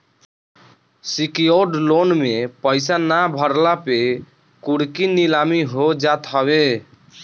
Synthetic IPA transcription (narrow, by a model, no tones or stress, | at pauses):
sikijoɖlonmepəɪsanabʱəɾlape | kuɽkinilamiɦod͡ʒat̪ɦəbe